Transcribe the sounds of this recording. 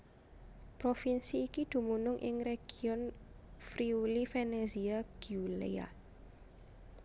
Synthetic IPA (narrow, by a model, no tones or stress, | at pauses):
pɾɔfinsiːkid̪̥ṳmunʊŋʔɪ̰ŋreɡ̥iɔnfɾiulifɛneziaɡ̥iulḛa̰